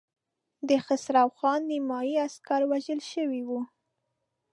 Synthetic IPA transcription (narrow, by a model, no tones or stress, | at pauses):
d̪əxasɾɑwxɑnːimɑjiaskaɾwaʒəlʃəwiwu